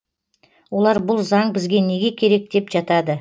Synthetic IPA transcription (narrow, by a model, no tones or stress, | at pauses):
wo̞lˠɑɾbʊlˠzɑɴbɪzɡʲe̞ne̞ɡʲe̞kʲʰe̞ɾe̞k̚d̪e̞pʒɑt̪ɑd̪ə